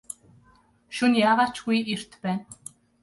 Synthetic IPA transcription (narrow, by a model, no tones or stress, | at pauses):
ʃunjaːʁaːt͡ɕɡujer̥t̪pæːn